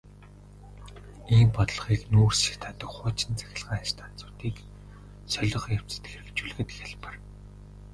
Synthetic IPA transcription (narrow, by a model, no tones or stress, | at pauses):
iːmpɔt̪ɮɞ̆χiːknuːrsi̥t̪ʰaːt̪ə̆kχʊːt͡ɕɪ̆nt͡sæ̥xʲɪ̆ɮʁaːʃt̪ʰan̥t͡sʊ̥ːt̪iːk | sœɮʲɞ̆χjaw̥t͡sɘ̥t̪xerɘ̆kt͡ɕuɮɣɘ̆t̪xʲaɮpə̆r